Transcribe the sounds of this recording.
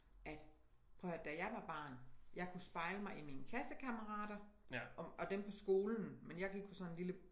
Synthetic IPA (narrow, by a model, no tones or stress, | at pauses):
ʔæd̥ | pʰʁœʊd̥æjɑ̈ɪʋɑ̈b̥ɑ̰̈ːnjɑ̈ɪkʰusb̥ɑ̈ɪləmɑ̈ɪʔimiːnəkʰlæsəkʰæməʁɑ̰̈ːd̥ɐ | ʔɒ̽d̥empʰɒ̽sɡ̥o̝ːln̩menjɑ̈ɪɡ̥iɡ̥̚pʰɒ̽sɒ̽ne̝nlilə